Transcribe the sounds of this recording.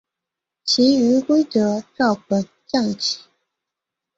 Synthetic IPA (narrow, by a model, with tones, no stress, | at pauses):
t͡ɕʰi˧˥y˧˥˦kwe˥ɪʈ͡ʂɤ˧˥ʈ͡ʂɑ˥˩ʊpə˨˩n | t͡ɕɑ˥˩ŋt͡ɕʰi̥˨˩˦